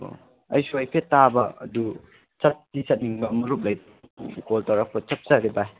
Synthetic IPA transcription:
ɐjsuajpʰetːabɐɐ̰du | t͡ʃɐt̚tisɐt̚niŋbɐmɐɾup̚lɐj | koltɐɾak̚pɐt͡ʃɐp̚zaɾiba

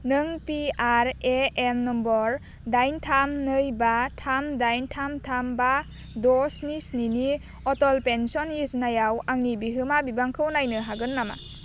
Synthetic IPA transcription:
nɯŋpiaɾeemnɔmbɔɾ | dajntʰamnɯjbatʰamdajntʰamtʰamba | dɔsnisnini | ɔtɔlpensɔnjesnajawaŋnibiɦɯmabibaŋkʰɯwnajnɯɦaɡɯnːama̰

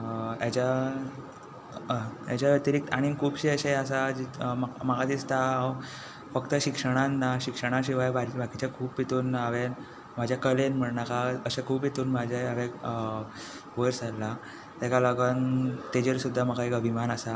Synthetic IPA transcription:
at͡ɕa | ja̰d͡ʑaʋjət̪iɾik̚t̪aɽ̃ikʰuːbɕeəɕeəsad͡ʑimamaɡad̪ist̪aɦaw | fəkt̪əɕikʂəɽ̃anːaɕikʂəɽ̃ãɕ̬iʋajbabʱakit͡ɕakʰuːpit̪uːnaʋe | mad͡ʑʱjakəlenm̤əɽnakaəɕakʰuːpjit̪uːnmad͡ʑʱaaʋe | ʋəɾsalːa | t̪ɛkaləɡənt̪ed͡ʑeɾsud̪ʱːaməɡaekəbʱimanəsa

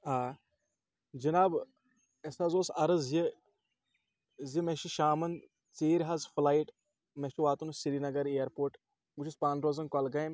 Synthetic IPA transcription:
aː | d͡ʒɐnaːb | esazoːsɐɾɐzji | zimeʃiʃaːmɐn | t͡seːɾɦɐzflaːiʈ | meʃiʋaːt̪unusiɾinɐɡɐɾeːɐɾpoːɾʈ | ɡut͡ʃʰispaːnɾoːzɐnkɐlɡaːjm

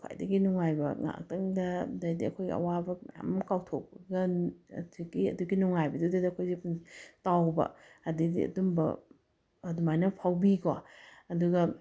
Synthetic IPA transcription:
kʰa̰jdɐɡinuŋajbɐ̰ŋa̰k̚tɐŋdɐdɐjdiɐ̰kʰojɡḭɐ̰wabɐmja̰mkawtʰok̚pɐɡɐtʰiɡiɐduɡinuŋajbɐdudɐdɐkʰojzepuntawbɐ̰ɐdidḭɐ̰dumbɐ̰ | ɐdumajnɐpʰawbikoɐduɡɐ

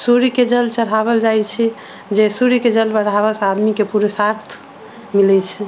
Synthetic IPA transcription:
suɾiked͡ʒəlt͡ʃəɽ̤aβəld͡ʒajt͡ʃʰi | d͡ʒesuɾiked͡ʒəlbəɽ̤aβəsə̃ad̪mikepuɾəsaɾt̪ʰ | milɛt͡ʃʰɛ

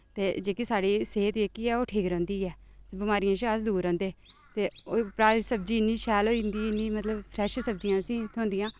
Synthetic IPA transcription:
t̪eːd͡ʒeːkiːsaːɽiːseːt̪d͡ʒeːkiːɛːoːʈʰeːkəɾɔ̃ːnd̪iːɛːt̪ebɪmaːɾɪjãːʃasd̪uːɾɔ̃ːnd̪eːt̪eːopɾaːɾsəb̚d͡ʒiːɪnːiːʃɛːloːɪnd̪iːɪnːĩːmət̪ləbpʰɾɛːʃsəb̚d͡ʒɪjãːsĩːt̪ʰʊõːnd̪ɪjãː

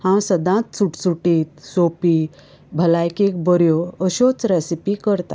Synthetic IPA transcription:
hãwsəd̪ãt̪suʈsuʈiːt̪sopi | bʱəlajkek̚bəɾjoəɕɔt͡sɾɛsipikəɾt̪a̰

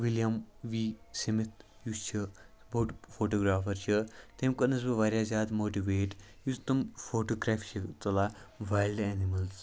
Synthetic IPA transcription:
ʋiljɐmʋiːsimit̪ʰjust͡ʃʰi | boːʈfoːʈoːɡɾaːfɐɾt͡ʃʰit̪emkɐnɐs̬bɐʋaːɾjaːzʲaːd̪moːʈiʋeːʈ | just̪ɐmfoːʈoːɡɾaːft͡ʃʰit̪ɐlaʋaːjlɖeːnimɐls

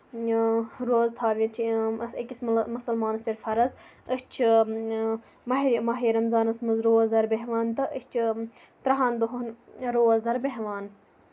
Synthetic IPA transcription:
ɾoːzt̪ʰaːʋʲɐ̃nt͡ʃʰisɐkʲismmɐsɐlmaːnɐsɐɾʲfɐɾɐzəst͡ʃʰ | mɐɦimɐɦiːɾɐmzaːnɐsmɐzɾoːɐzd̪ɐɾbeɦʋaːnt̪ɐʔəsʲt͡ʃʰ | t̪ɾɐɦaːnd̪oɦɐnɾoːɐzd̪ɐɾbeɦʋaːn

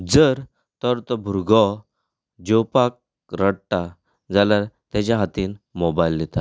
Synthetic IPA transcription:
d͡zəɾ | t̪ɔɾt̪ɔbʱuɾɡɔ | d͡ʑopak̚ | ɾəɽʈa | d͡zalaɾt̪at͡ɕaɦat̪iːnmɔbajlːet̪a

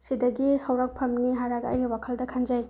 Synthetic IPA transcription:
sidɐɡihɐwɾak̚pʰɐmniɦaɾaɡɐ̰jɾiwakʰɐldɐkʰand͡ʒaj

